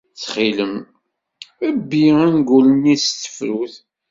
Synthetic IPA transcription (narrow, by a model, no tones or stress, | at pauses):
t͡sχiləm | æbːiænɡulənist̪ːə̥fɾuθ